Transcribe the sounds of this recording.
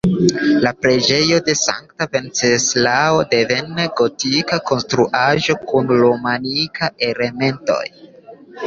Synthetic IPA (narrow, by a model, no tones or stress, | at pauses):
lapɾe̞d͡ʒe̞jo̞de̞sa̰ŋk̚tave̞nt͡seslao̞de̞ve̞nːeɡo̞tikako̞nstɾuʔaʒo̞kunɾomanikaʔe̞le̞me̞nto̞̰j